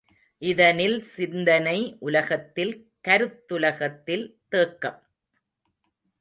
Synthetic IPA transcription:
ʔɪðɐnɪlsɪnd̪ɐnɐɪʔʊlɐɣɐt̪ːɪl | kɐɾɯt̪ːʊlɐɣɐt̪ːɪlt̪eːkːɐm

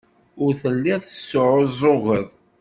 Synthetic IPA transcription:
ʊɾθəlːiðˤθəsːʊʕʊzˤʊɣəðˤ

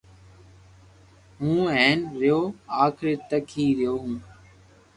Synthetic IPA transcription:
ɦũːeːnɾɪjoːaːkʰɾeːt̪əkʰiːɾɪjoːɦũː

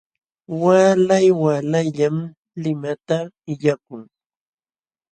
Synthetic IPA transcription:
waːlajwalajʎam | lɪmat̪a | ɪʎakʊŋ

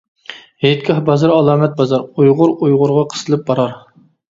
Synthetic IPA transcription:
het̪̚kʰʲɑhbɑzɑɾɑlˠɑːmɛt̪̚bɑzɑɾujʁʊɾujʁʊɾʁɑqʰə̥sɨlˠɨp̚bɑɾɑɾ

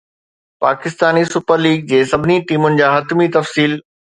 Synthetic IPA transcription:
paːkɪst̪aːnisʊpəɾliːɡ̚d͡ʑeːsɐbʱɪniʈiːmʊnɪ̆d͡ʑaːɦɐt̪mit̪ɐfsiːl

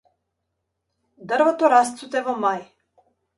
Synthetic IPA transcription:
d̪ərɾvɔt̪ɔɾast̪sut̪ɛvɔmaj

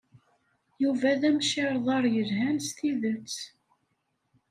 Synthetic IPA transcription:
juvæðæmʃɪɾˤðˤɑɾˤjəlɦænst̪iðət͡sː

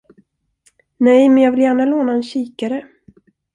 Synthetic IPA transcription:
nɛjmɛnjɑːɡvɪljæːɳaloːnaɛnɕiːkaɾə

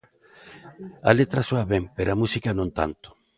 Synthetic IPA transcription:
alet̪ɾasoaβempeɾoamusikanõnt̪a̰nt̪ʊ̥

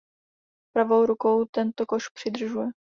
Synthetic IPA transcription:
pɾavo̞wɾuko̞wt̪ɛnt̪okoʃpr̥ɪd̪r̩ʒujɛ

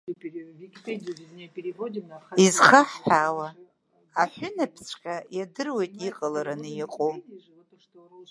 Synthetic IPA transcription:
ikʲpediznʲejpʲʼeɾivodʲimaizχaħħʷawa | aħʷʊnapʰsʰʼqʲʼajadɨrwe̞jtʼiqʼalaɾanɨjaqʼom

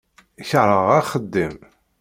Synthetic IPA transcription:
çəʕɾəʁaχəd̪ːim

